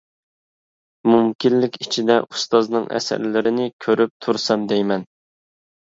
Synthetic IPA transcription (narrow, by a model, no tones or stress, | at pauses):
mumkʲinːɪkʲit͡ʃʰid̪ɛʔust̪ɑznɨŋʔɛ̰sæ̰ɾlɪɾɪnɪkʲʰøɾyp̚t̪ʰuɾsɑmd̪ɛjmɛn